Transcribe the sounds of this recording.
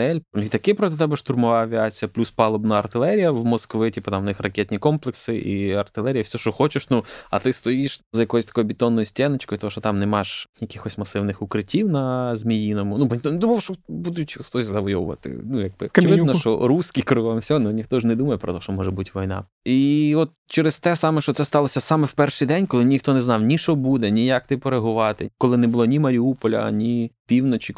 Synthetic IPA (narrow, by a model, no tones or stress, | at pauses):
ɛlʲit̪ɐkɛpɾɔt̪ɪt̪ɛbɛʃt̪ʊrmɔʋaɐʋʲɪat͡sʲijɐplʲuspɑlˠɔbnɐɐrt̪ɪlˠɛɾʲijɐʋmɔskʋɪtʲipɐt̪amnɪxrɐkʲɛt̪ʲnʲikɔmplˠeksɪʔiɐrt̪ɪlˠɛɾʲijɐfsʲɔʃɔxɔt͡ʃɪʃnuɐ̰t̪ɪst̪ɔjiʃzɐjɐkɔjɔsʲt̪ɐ̥kɔjʊbʲɪt̪ɔnːɔjusʲtʲɛnet͡ʃkɔjt̪ɔɦɔʃt͡ʃɔt̪ɑmnɛmaʃjɐkʲɪxɔsʲmɐsɪwnɪxʊkɾɪtʲiwnɐzmʲijinɔmʊnubnʲit̪ɔned̪umɔwʃt͡ʃɔbud̪ʊt͡ʃʲxt̪ɔsʲzɐʋɔjɔʋʊ̰ʋɐ̰t̪ɪ̰nujaɡ̚bɪɔkt͡ʃɪʋʋɪnɔʃt͡ʃɔ̰ɾuskʲikɾɔlɔmsʲnunʲixt̪ɔʒnɛd̪umɐjɛpɾɔ̰t̪ɔʃt͡ʃɔmɔʒɛbutʲʋɔjnɑ̰ | iɔt̪̚t͡ʃɛɾɪst̪ɛsɑmɛʃt͡ʃɔt̪sɛst̪ɑlˠɔsʲɐsɑmɛwpɛrʃɪjd̪ɛnʲkɔlˠɪnʲixt̪ɔnɛznɑwnʲiʃt͡ʃɔbud̪ɛnʲijak̚t̪ɪpɔɾeɦʊʋɑt̪ɪ̰kɔlˠɪnɛbʊlˠɔnʲimɐɾʲiupɔlʲɐ̰nʲipʲiwnɔt͡ʃik